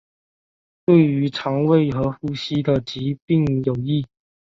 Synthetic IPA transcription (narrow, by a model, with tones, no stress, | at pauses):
t̪we˥˩ɪy˧˥ʈ͡ʂʰɑ˧˥ŋwe˥˩ɪxɤ˧˥xu˥˩ɕi˥d̪ə˨t͡ɕi˨˥˦pi˥˨ŋjo˨˩ʊi˥˩